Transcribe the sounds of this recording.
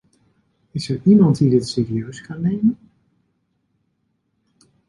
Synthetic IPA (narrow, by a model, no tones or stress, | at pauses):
ɪsɛɹʔimɑntdidɪtseːriøɥskɑnːejmən